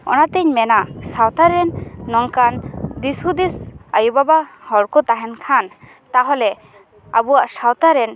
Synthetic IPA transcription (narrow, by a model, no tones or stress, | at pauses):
ɔ̰nat̪ɛɲmɛnaʔsawt̪aɾɛnːɔŋkand̪ishud̪isajubabahɔɾkɔt̪aɦɛnkʰan | t̪aɦɔlɛ | a̰buwaʔsawt̪aɾɛn